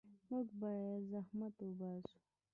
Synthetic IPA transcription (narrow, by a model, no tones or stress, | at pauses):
muɡbɑjad̪zahmat̪ubasu̥